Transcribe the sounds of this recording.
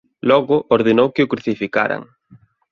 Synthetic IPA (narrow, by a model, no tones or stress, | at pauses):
lɔɣʊʔoɾðenowkɪʊkɾuθifika̰ɾa̰ŋ